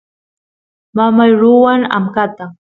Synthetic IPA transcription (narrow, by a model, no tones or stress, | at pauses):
mamajɾʊwaŋa̰mkat̪a